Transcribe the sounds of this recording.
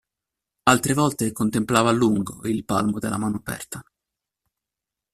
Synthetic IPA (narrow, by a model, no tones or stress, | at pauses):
alt̪ɾevɔlt̪ekont̪emplaːvaːlːuŋɡo̰ilpa̰lmod̪elːa̰maːnoapɛ̰rt̪a